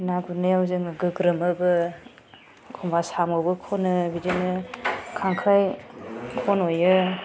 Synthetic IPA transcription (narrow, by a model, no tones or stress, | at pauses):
naɡunɯjawzɯŋaɡɯɡɾɯmɯbɯ | ɡʰɔmbasamɯwbɯkʰonɯbidinɯkʰaŋkʰaj | kʰɔnojɯ